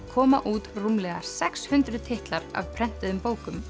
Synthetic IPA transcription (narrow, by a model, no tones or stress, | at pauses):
kʰɔːmaʔuːt̪rumlɛːɣaɾ̥sɛkshʏnt̪ɾʏðt̪ʰɪht̪laɾa̰vpʰɾɛn̥t̪ɪðʏmpoːwkʏm